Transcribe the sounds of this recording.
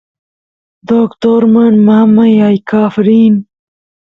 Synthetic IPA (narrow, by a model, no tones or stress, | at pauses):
d̪okt̪oɾmanmahɐmːajɑjkɑːfɾiːn